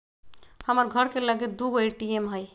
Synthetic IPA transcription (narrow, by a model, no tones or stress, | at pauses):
həməɾɡʱəɾkeləɡet̪̚d̪uɡoeʈiemɦəj